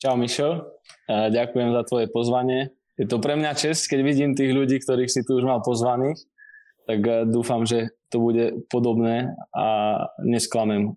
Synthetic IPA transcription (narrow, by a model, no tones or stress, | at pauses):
t͡ʃaʊmiʃɛl | ɟakujɛmzat̪ʋɔjɛpɔzʋaɲɪɛ | jɛt̪ɔpɾɛmɲat͡ʃɛsckɛɟʋiɟiːmt̪iːɣʎuɟiːkt̪ɔɾiːxsit̪uuʒmalpɔzʋaniːx | t̪aɡd̪uːfamʒɛt̪ɔbuɟɛpɔd̪ɔbnɛːa̰ɲɛsklamɛm